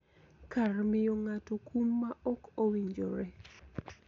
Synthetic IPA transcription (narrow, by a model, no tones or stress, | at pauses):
karmɪjɔŋatokumːaʔɔkowiɲd͡ʒoɾɛ